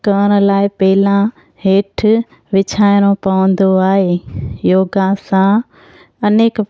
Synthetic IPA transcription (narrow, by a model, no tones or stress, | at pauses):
kəːñ̆laːɪpɐɦɪlã | ɦeːʈʰ | ʋɪt͡ɕʰaːɪɽ̃õpɐʋə̃nd̪oaːɦeːjoːɡãsã | ɐneːk